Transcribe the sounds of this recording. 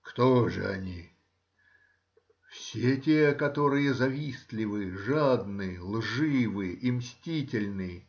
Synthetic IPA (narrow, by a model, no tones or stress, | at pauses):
kt̪oʐɨ̰ɐ̰nʲi | fsʲetʲekɐt̪o̞ɾɨjəzɐvʲislʲɪvɨʐad̪nɨlˠʐɨvɨʔimsʲtʲitʲɪlʲnɨ